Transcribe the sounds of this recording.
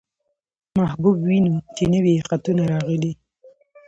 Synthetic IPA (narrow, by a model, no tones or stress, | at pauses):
mahbubwinut͡ʃenəwiqat̪unaɾɑɣəli